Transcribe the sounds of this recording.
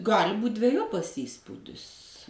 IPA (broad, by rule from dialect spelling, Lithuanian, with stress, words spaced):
ˈɡɑːlʲɪ buːtʲ dʲʋʲɛˈjoːpɐs ˈiːspuːdʲɪs